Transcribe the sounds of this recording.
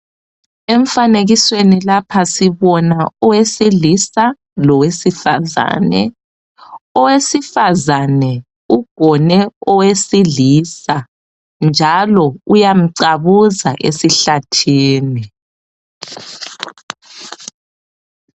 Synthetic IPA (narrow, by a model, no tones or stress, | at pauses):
eɱ̩faneɣiswenilapʰasiβɔnaɔwesilisa | lɔwesifaza̰nɛ̰ | ɔwesifazanɛ | uɡ̥ʱɔnɛɔwesiɮiːsa | nd͡ʒʱalɔujam̩ǀaβuza̰ʔesiɬatʰiːni